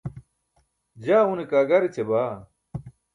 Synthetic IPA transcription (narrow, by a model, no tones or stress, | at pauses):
d͡ʑaːunekaːɡɐɾit͡ɕʰebaː